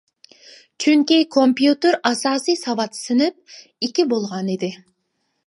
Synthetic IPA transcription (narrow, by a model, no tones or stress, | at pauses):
t͡ʃʰyŋkʲejkʰompʲjut̪ʲeɾɑsɑsɨjsɑβɑt̪sɨnɯp̚ | ekʲibolˠʁɑned̪ɪ